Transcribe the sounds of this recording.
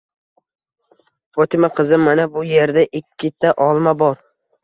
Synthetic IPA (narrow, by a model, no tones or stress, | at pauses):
fɒt̪ʰɪmaqʰɨzɪmanabʊje̞ɾd̪aʔɪkʲʰːɪt̪ʰaʔɒlˠmabɒɾ